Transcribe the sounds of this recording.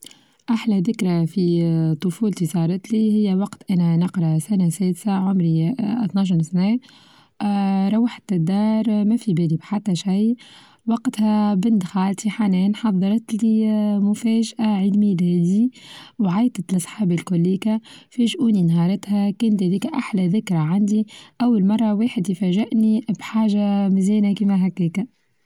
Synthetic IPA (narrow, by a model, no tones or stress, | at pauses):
ʔaħlæðɪkɾafit̪ˤʊfuːlt̪isɑːɾˤɑt̪lihɪjːæwɑqt̪ʔænænɪqɾˤɑsænæsɛːd̪saʕʊmɾit̪nɑʃ̬ɾsnɛː | ɾˤɑwːɪħt̪ːd̪ːɑːɾˤmæfibɛːd̪ibħat̪ːæʃaj | wɑqt̪hæbɪnd̪xaːlt̪iħanɛːnħɑðˤːɑɾˤɑt̪limʊfɛːʒʔaʕiːd̪milhɛːd̪iwʕajt̪at̪lɑsˤħɑːbilkʊlːiːkæfɛʒʔuːninɦɑːɾˤɑt̪hækɛːnt̪hæðiːkæʔaħlæðɪkɾˤɑʕand̪iʔæwːalmɑrˤːɑweːħɪd̪jfæʒɪʔnibħaːʒamɪzɛːnækiːmæɦækːɛːkæ